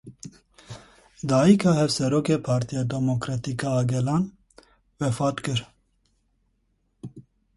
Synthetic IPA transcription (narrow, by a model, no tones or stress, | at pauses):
d̪ɑikʰɑhɛvsɛɾokepʰɑːɾt̪ʰijad̪ɛmokɾɑt̪ikɑːɡɛlɑn | vɛfɑt̪kɨɾ